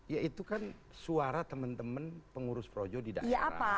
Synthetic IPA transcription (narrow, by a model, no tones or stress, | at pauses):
jait̪ukan | suaɾat̪əmənt̪əmənpəŋuɾʊspɾod͡ʒɔdida̰jaʔapa